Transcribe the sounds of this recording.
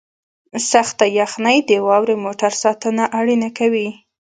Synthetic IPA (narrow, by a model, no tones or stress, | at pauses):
saxt̪ajaxnəjd̪əwɑwɾemoʈaɾsɑt̪ənaʔaɽinakawi